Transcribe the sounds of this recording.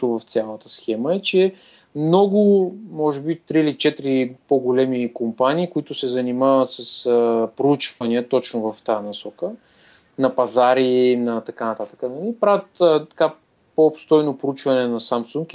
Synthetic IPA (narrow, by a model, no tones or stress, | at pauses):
t̪ʊvɐft̪sʲalˠət̪əsxɛməɛt͡ʃɛ | mnɔɡʊmɔʒɛbit̪ɾiilit͡ʃɛt̪ɾipoɡolɛmikompaniːkʊit̪ʊsɛzɐnimavət̪sɐspɾout͡ʃvɐniət̪ɔt͡ʃnʊvɐft̪anɐsɔkə | nɐpɐzaɾinɐt̪ɐkanɐt̪at̪ə̥kənɐlipɾavʲət̪ːt̪ɐ̥ka | popst̪ɔjnopɾout͡ʃvɐnɛnɐsamsuŋk